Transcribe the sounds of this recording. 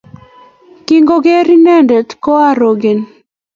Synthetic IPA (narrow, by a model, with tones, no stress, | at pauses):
ki˦ŋɡo˦ɡe˦ɾi˦nɛ˦ndɛ˨tkɔ˦a˦ɾo˨ɡe˨n